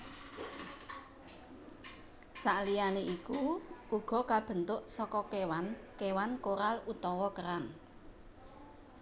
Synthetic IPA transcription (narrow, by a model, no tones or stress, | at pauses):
saʔlijaneʔikuʔuɡ̥ɔ̤kab̥ə̤nt̪ʊʔsɔkɔkewankewankoɾalut̪ɔwɔkəɾan